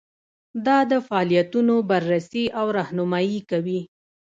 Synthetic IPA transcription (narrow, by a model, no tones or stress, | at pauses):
d̪ɑd̪əfaːlijat̪unobaɾːasiʔawɾɑhnʊmɑjikawi